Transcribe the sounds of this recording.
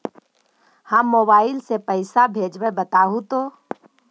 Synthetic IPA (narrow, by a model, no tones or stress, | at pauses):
həmːoːbaːɪlsepəɪsabʱeːd͡ʒʋəbət̪aːɦũt̪oː